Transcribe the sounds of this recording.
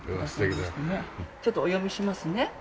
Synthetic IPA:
east̪ekʲinenet͡ɕo̞t̪ːoojo̞mʲiɕimasɨne̞

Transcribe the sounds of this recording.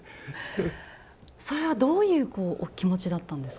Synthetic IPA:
so̞ɾe̞β̞ad̪o̞ːjɯ̟ːko̞ːʔkʲimo̞t͡ɕid̪at̪ːãnd̪e̞s

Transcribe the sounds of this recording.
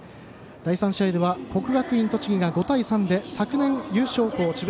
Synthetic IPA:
d̪̥aisãɕiaid̪eβako̞kɯ̟ɡakɯ̟ĩnt̪o̞t͡ɕiɡʲiɡaɡo̞t̪aisãnd̪e̞sakɯ̟nẽ̞ɰjɨːɕo̞ːko̞ːt͡ɕib

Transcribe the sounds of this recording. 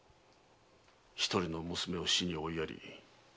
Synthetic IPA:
çi̥t̪oɾʲino̞mɯsɨme̞o̞ɕiɲ̟io̞ijaɾʲḭ

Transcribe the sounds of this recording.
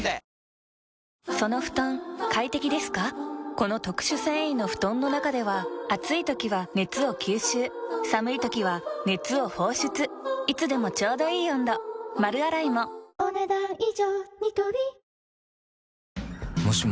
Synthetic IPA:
so̞no̞ɸɯ̟̥t̪õŋkait̪e̞kʲid̪e̞sɨ̥kako̞no̞t̪o̞kɯ̟̥ɕɨsẽɰ̃ĩnːo̞ɸɯ̟̥t̪õ̞nːo̞nakad̪e̞βaːt͡sɨit̪o̞kʲiβane̞t͡sɨo̞kʲʰɨːɕɨːsamɯ̟it̪o̞kʲiβ̞ane̞t͡sɨo̞ho̞ːɕɨt͡sɨit͡sɨd̪e̞mo̞t͡ɕo̞ːd̪o̞iːjõnd̪omaɾɯ̟aɾaimo̞oned̪aioɲit̪obi | moɕi

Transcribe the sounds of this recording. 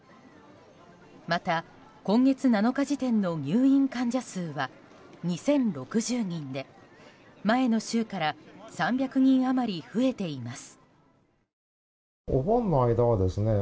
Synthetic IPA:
mat̪a | kõ̞ŋɡe̞t͡sɨnano̞kaʑit̪ẽ̞nːo̞ɲʲɨːĩŋkãɲ̟d͡ʑasɨːβa | ɲ̟isẽ̞nɾo̞kɯ̟ʑɨːɲ̟ĩnd̪e̞ | mae̞no̞ɕɨːkaɾasãmbʲjakɯ̟ɲ̟ĩɰ̃amaɾʲiɸɯ̟e̞t̪e̞imasɨ̥ | o̰bõ̞nːoaid̪aβad̪e̞sɨne̞

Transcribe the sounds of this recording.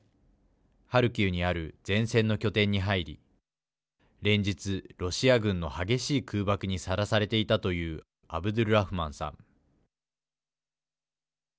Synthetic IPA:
haɾɯ̟kʲɨːɲ̟iaɾɯ̟d͡zẽ̞ɰ̃sẽ̞nːo̞kʲo̞t̪ẽ̞ɲ̟ːiɦaiɾʲḭ | ɾẽ̞ɲ̟d͡ʑit͡sɨɾo̞ɕiaɡɯ̟̃nːo̞haɡe̞ɕiːkɯːbakɯ̟ɲ̟isaɾasaɾe̞t̪e̞it̪at̪o̞jɯ̟ː | abɯ̟d̪oɾɯ̟ɾaɸɯ̟mãɰ̃sã̰ŋ

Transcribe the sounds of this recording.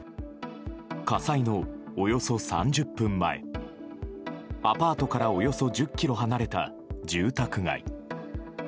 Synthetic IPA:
kasaino̞ːjo̞so̞sã̰ɲ̟d͡ʑɨpːɯ̟̃mːa̰e̞̰ | apaːt̪o̞kaɾaojo̞so̞d͡ʑɨkʲːiɾo̞ɦanaɾe̞t̪a̰ | d͡ʑɨːt̪akɯ̟ŋa̰ḭ

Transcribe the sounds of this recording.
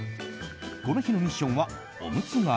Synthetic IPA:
ko̞noçino̞ɲ̟iɕːõɰ̃βa | o̰mɯ̟t͡sɨŋa

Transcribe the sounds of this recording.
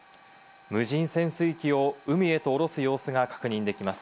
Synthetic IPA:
mɯ̟ʑĩɰ̃sẽ̞ɰ̃sɨikʲio̞ɯ̟mʲie̞t̪o̞ːɾo̞sɨjo̞ːsɨɡakḁkɯ̟ɲ̟ĩnd̪e̞kʲimasɨ̥

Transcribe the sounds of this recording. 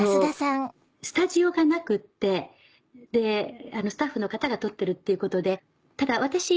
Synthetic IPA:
osasãŋ | sɨ̥t̪aʑio̞ɡanakɯ̟t̪ːe̞ | d̪e̞ano̞sɨ̥t̪aɸːɯno̞kat̪aɡat̪o̞t̪ːe̞ɾɯ̟t̪ːe̞iɯ̟ko̞t̪o̞d̪e̞ | t̪ad̪aβ̞at̪aɕi

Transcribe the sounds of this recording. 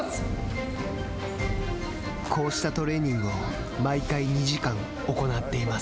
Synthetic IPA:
kʰo̞ːɕi̥t̪at̪o̞ɾe̞ːɲ̟ĩŋɡɯ̟o | maikaiɲ̟iʑikãŋ | o̞ko̞nat̪ːe̞imas

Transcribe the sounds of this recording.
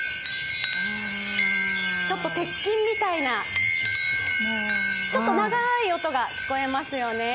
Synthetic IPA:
t͡ɕo̞t̪ːo̞t̪e̞kʲːĩmːʲit̪aina | t͡ɕo̞t̪ːo̞naɡaio̞t̪o̞ɡaçʲi̥ko̞e̞masɨjo̞ne̞

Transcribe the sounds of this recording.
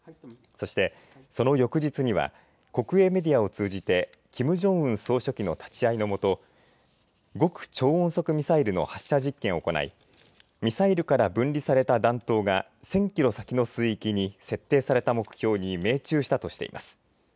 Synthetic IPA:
so̞ɕi̥t̪e̞ | so̞no̞jo̞kɯ̟ʑit͡sɨɲ̟iβa̰ | ko̞kɯ̟e̞ːme̞d̪ʲiao̞t͡sɨːʑit̪e̞ | kʲʰimɯ̟ʑõ̞ɰ̃ɯ̟̃ɰ̃so̞ːɕo̞kʲino̞t̪ḁt͡ɕiaino̞mo̞t̪o̞ | ɡo̞kɯ̟̥t͡ɕo̞ːõɰ̃so̞kɯ̟mʲisaiɾɯ̟no̞̰haɕi̥aʑikːẽ̞ɰ̃oko̞na̰ḭ | mʲisaiɾɯ̟kaɾabɯ̟̃nʲɾʲisaɾe̞t̪ad̪ãnt̪o̞ːɡa | sẽ̞ŋkʲiɾo̞sakʲino̞sɨːikʲiɲ̟ise̞t̪ːe̞ːsaɾe̞t̪amo̞kɯ̟̥çʲo̞ːɲ̟ime̞ːt͡ɕɨːɕi̥t̪at̪o̞ɕi̥t̪e̞̰ḭmʔa̰sɨ̥

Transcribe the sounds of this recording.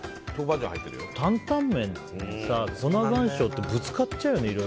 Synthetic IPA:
t̪oːbad͡ʑõ̰ha̰it̪ːeɾjo̰t̪ʰãnt̪ãmːẽ̞n | sako̞naɡãɰ̃ɕo̞ːt̪ːebɯ̟t͡sɨ̥katt͡ɕaɯjoneiɾo

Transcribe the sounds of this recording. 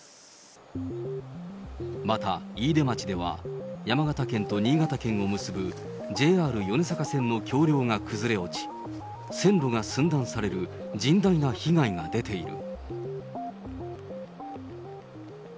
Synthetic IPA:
mat̪aiːd̪e̞mat͡ɕid̪e̞β̞a̰jamaɡat̪akẽ̞nt̪o̞ɲ̟iːɡat̪akẽ̞ŋ̃o̞mɯ̟sɨbɯ | d͡ʑe̞ːaːɾɯ̟jo̞nesakasẽ̞nːo̞kʲʰo̞ːɾʲo̞ːŋakɯzɨɾe̞o̞t͡ɕi̥ | sẽ̞nɾo̞ŋasɨ̃nd̪ãɰ̃saɾe̞ɾɯ̟d͡ʑĩnd̪ainaçiɡaiŋad̪e̞t̪e̞iɾɯ̟̰

